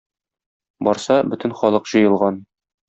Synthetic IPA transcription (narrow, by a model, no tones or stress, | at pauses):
bɒɾsɑbɵt̪ɘ̆nχɒlˠɤqʑ̥ɤ̆jɤ̆lˠʁɑn